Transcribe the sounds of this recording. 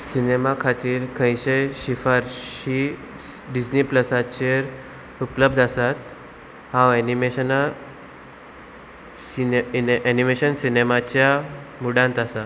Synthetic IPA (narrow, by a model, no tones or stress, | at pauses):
sinemakʰat̪iːɾkʰə̃jɕẽjɕifaɾɕi | ɖid͡ʑnipləsat͡ɕeɾ | upləb̚d̪asat̪ | hãwɛnimeɕəna | ianimeɕənsinemat͡ɕja | muɽãnt̪asa